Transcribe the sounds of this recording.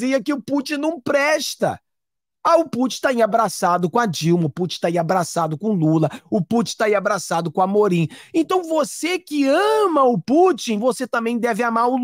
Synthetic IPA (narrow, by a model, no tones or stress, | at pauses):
iɐkɪʊput͡ʃĩnɐ̃w̃pɾɛʃt̪ɐ̰ | aʊput͡ʃĩ̥t̪aĩabɾasad̪ʊkõad͡ʒiwmɐʊput͡ʃĩt̪aĩabɾasad̪ʊkõlulɐʊput͡ʃĩt̪aĩabɾasad̪ʊkõamoɾĩẽnt̪ɐ̃w̃vosekɪɐ̃mɐʊput͡ʃĩvoset̪ɐ̃mbẽj̃d̪ɛvɪamaɾʊ